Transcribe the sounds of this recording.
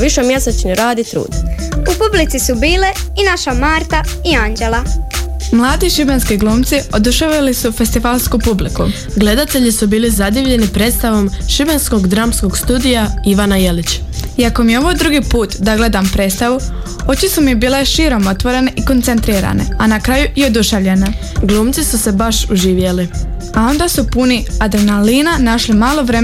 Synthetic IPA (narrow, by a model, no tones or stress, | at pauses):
ʋiʃemjesat͡ʃneɾaːd̪it̪ɾṵːd̪upublit̪sisubiːleinaʃamaːɾt̪aiand͡ʒelˠa | mlˠaːd̪iʃibenskiɡlˠuːmt̪sio̞d̪uʃeʋilisufe̞st̪iʋalˠskupubliku | ɡle̞d̪at̪e̞ʎisubiːlizad̪iʋʎe̞nipɾe̞t̪st̪aʋo̞mʃibensko̞ɡd̪ɾamsko̞ɡst̪uːd̪ijaiʋanajelit͡ɕiako̞mijeo̞ʋo̞jd̪ɾuɡipuːt̪d̪aɡle̞d̪ampɾe̞ːt̪st̪aʋu | o̞t͡ɕisumibiːle̞ʃiːɾo̞mo̞t̪ʋo̞ɾe̞neʔiko̞nt̪se̞nt̪ɾiːɾa̰ne̞̰anakɾaːjuio̞d̪uʃaʋʎene | ɡlˠuːmt̪sisuse̞baʃuʒiːʋjeli | ao̞nd̪asupuniad̪ɾenaliːnanaʃlimaːlˠo̞ʋɾe